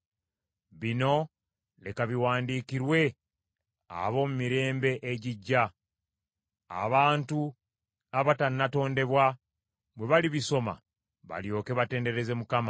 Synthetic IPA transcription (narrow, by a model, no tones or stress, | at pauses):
βino̞ | lekaβiwaːndiːkiɾwe̞ | a̰βo̞mumiɾe̞ːmbe̞ʔeɟiɟːa | a̰βaːntu | aβatanːato̞ːnde̞βwa | βwe̞βaliβiso̞ma̰ | βa̰ljo̞ːke̞βate̞ːnde̞ɾe̞ze̞mukama